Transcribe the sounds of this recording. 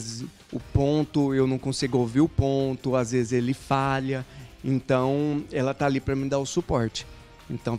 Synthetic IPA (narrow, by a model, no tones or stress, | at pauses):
z | ʊpõnt̪ʊewnɐ̃w̃kõsiɡʊowviɾʊpõnt̪ʊazvezɪzelɪfaʎɐẽnt̪ɐ̃w̃ɛlɐt̪alipɾɐmĩd̪aʊsupɔɾt͡ʃɪ̥ | ẽnt̪ɐ̃w̃